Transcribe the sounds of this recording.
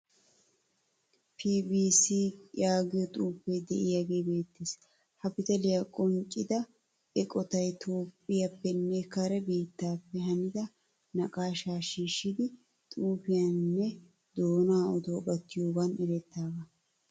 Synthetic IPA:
pʰiːbiːsiːjaːɡɪjɔt̪ʼuːpːejd̪ɛʔɪjɐɡe̞ːbe̞ːt̪ːɪs | hɐpɪt̪ɐlɪjakʼɔnt͡ʃʼːɪd̪ɐ | ɛkʼɔt̪ɐjt̪ʰoːpʼːɪjɐpːɛnːɛkɐɾɛbiːt̪ːaːpːɛɦɐnɪd̪ɐ | nɐkʼaːʃaːʃiːʃːɪd̪ɪ | t̪ʼuːfɪjanːɛ | d̪oːnaːɔd̪oːbɐt̪ːɪjobɐnʔɪɾɛt̪ːaːɡɐ

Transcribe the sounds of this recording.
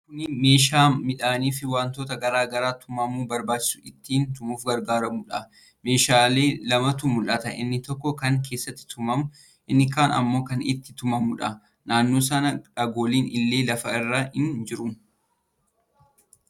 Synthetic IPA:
kʊnɪme̞ːʃaːmɪᶑaːniːfɪwaːnt̪o̞ːt̪ɐɡɐɾaːɡɐɾaːt̪ʊmɐmuːbɐɾbaːt͡ʃːɪ̥sʊɪt̪ːiːnt̪ʊmuːfɡɐɾɡaːɾɐmuᶑɐ̰ | me̞ːʃaːle̞ːlɐmɐt̪ʊmʊlʔɐt̪ɐʔɪ̰nːɪt̪ɔkːɔkɐŋkʰe̞ːsːɐt̪ːɪ̥t̪ʊmɐmʊ | ʔɪnːɪkaːnɐ̰mːo̞ːkɐnɪ̰t̪ːɪ̥t̪ʊmɐmʊᶑɐ̰ | naːnːo̞ːs̬ɐnɐᶑɐɡo̞ːliːnɪlːe̞ːlɐfɐɪrːaːhɪnd͡ʒɪɾʊn

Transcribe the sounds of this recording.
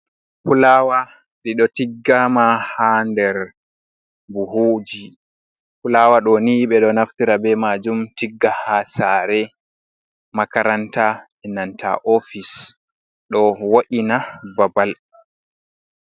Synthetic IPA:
pulaːwa | ɗiɗɔtiɡːamahandɛɾ | buɦoːd͡ʒi | pulawaɗɔniɓɛɗɔnaftiɾabɛmad͡ʒumtiɡːahasaɾɛ | makaɾanta | ɛnantʰa̰ʔofis | ɗɔwoɗinababal

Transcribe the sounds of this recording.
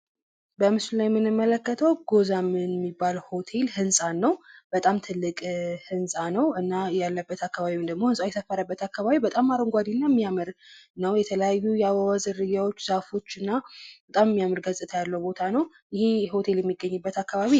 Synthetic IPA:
bəmɨslulajmːɨnɨmːələkːət̪ʰəwɡo̞zamɨnmːibːalho̞t̪ʰe̞lhɨnsʼanːəwb̥ət̪ʼamt̪ʰɨlːɨkʼhɨnsʼanəwɨnːajalːəbːət̪akːaβaβiwnd̪əɡmo̞hɨnsʼawjɛsʰəfːəɾəbːət̪akːaβaβibət̪ʼamaɾəŋɡʷad̪inːamːijamɨɾnəwjɛt̪ʰələjajːujɛawawazɨɾɨjawo̞t͡ʃːzafo̞t͡ʃːɨnːabət̪ʼammːijamɨɾɡəzʼɨt̪ʰajalːəwbo̞t̪ʰanəw | jɪheho̞t̪ʰe̞ljɛmːiɡːəɲːɨbːət̪akːaβaβi

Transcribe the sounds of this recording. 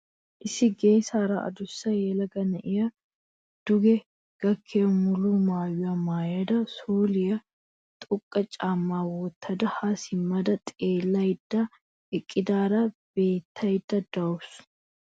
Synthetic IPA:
ʔɪsɪɡe̞ːsaːɾɐʔɐ̰d̪ʊsːɐjelɐɡɐnɐʔɪjɐ | d̪̥ʊɡɛ | ɡ̥ɐkʰːemʊluːmaːjʊɐmaːjɐd̪ɐsuːlɪjɐ | t̪ʼʊkʼːɐt͡ʃʼaːmːaːwɔt̪ʰːɐd̪ɐhasɪmːɐd̪ɐt̪ʼeːlːɐjd̪ːɐ | ʔɪkʼːɪd̪aːɾɐb̥e̞ːt̪ʰːɐjd̪ːɐd̪ɐʊs

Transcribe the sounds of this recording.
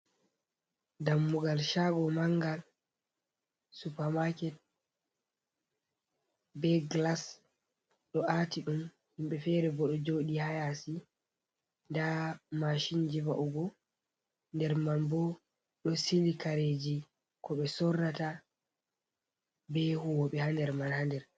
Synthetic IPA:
damːuɡalʃaɡɔmaŋɡal | supamakɛt̚ | bɛɡlas | ɗɔʔatiɗum | himɓɛfɛːɾɛbɔɗɔd͡ʒoɗihajasi | ndamaʃind͡ʒivaʔuɡɔ | ndɛɾmanbɔ | ɗɔsilikaɾed͡ʒi | kɔɓɛsɔrːata | bɛhuwɔɓɛhandɛɾmanhandɛɾ

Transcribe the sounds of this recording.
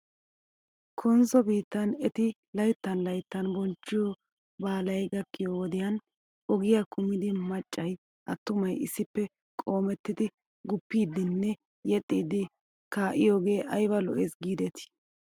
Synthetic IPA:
kʰɔnzɔbiːt̪ːɐnɛt̪ɪ | lɐjt̪ːɐnlɐjt̪ːɐnbɔnt͡ʃːɪjɔ | baːlɐjɡɐkːɪjowɔd̪ɪjɐn | ɔɡɪjakʊmɪd̪ɪmɐt͡ʃʼːɐj | ʔɐt̪ːʊmɐjɪ̰sːɪpːɛ | kʼo̞ːmɛt̪ːɪd̪ɪ | ɡʊpːiːd̪ɪnːɛ | jɛt̪ʼːiːd̪ɪ | kaːʔɪjoːɡe̞ːʔɐjbɐlɔ̰ʔesɡiːd̪ɛt̪ɪ̥

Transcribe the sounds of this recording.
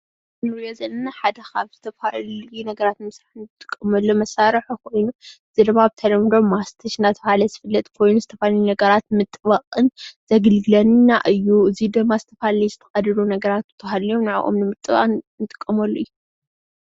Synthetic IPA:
ɨnɨɾjozɐnːɐnaħad̪ɐkaβz̥ɨt̪ʰɐfalunɐɡɐɾat̪mɨsɾaħɨnɨɨt̪ʼɨ̥kʼːɐmɐlːomɐsaɾħukʰo̞jnuɨzid̪ɨmːaβt̪ʰɐlɐmd̪o̞mːast̪ʰɐʃnat̪ʰɐβhalɐzɨfɨlːɐt̪ʼkʰo̞jnuzɨt̪ʰɐfaljunɐɡɐɾat̪mɨt̪ʼβɐqʼɨnz̥ɐɡɨlɡɨlɐnnːaʔɨjːuɨzid̪ɨmːazɨt̪ʰɐfalijzɨt̪ʰɐxʼɐd̪ɨlunɐɡɐɾat̪̚bɨt̪ʰhalijomnɨʕa̰ʔo̰mnɨmɨt̪ʼːɨβa̰nɨt̪ʼɨ̥kʼːɐmɐlːoɨjːu

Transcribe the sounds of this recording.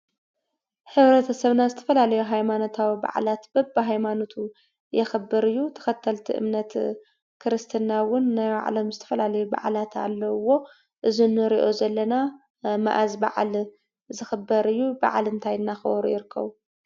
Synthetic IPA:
ħɨβɾɐt̪ʰɐsɐβnazɨt̪ʰɐ̥fɐlalɐjuɦajmano̞t̪ʰawiba̰ʕ̰lat̪b̥ɐbːɨɦajmano̞t̪ʰu | jɛxɨbːɨɾɨjːut̪ʰɐ̥xɐt̪ʰːɐlt̪ʰiʔɨ̰mnɐt̪ | kʰɨɾɨst̪ʰɨnawʊnːaja̰ʕa̰lɐmzɨt̪ʰɐ̥fɐlalɐjuba̰ʕlat̪ʰa̰lːɐwo̞ | ʔɨzinɨɾiʔo̞zɐlːɐna | ma̰ʔazbaʕ̰l | zɨxɨbːɐɾɨjːuba̰ʕa̰lɨnt̪ʰajɨnːaxɨɾṵjɪɾɨkʰːɐ̰βu

